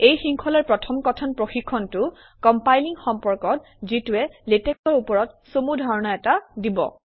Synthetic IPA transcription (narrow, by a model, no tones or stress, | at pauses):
ejxiŋkʰɔlɔɹpɹɔtʰɔmkɔtʰɔnpɹoxikʰːɔntʊ | kɔmpajliŋxɔmpɔɹkɔt̚ | zituɛleteksɔɹupɔɹɔt̚somudʱaɹɔnaɛtadibɔ̰